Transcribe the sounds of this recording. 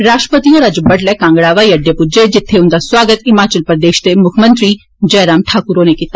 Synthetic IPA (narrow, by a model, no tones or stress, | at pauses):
ɾaːʃʈəpət̪ioɾɐd͡ʒəbəʈlɛːkãːŋɡɽaːʋaːiɐɖːepʊd͡ʒed͡ʒɪt̪ʰːeʊnd̪aswaːɡət̪ɪmaːt͡ʃəlpɾəd̪eːʃd̪emʊkʰmə̃nt̪ɾi | d͡ʒɐːɾaːmʈʰaːkʊɾonekit̪ːa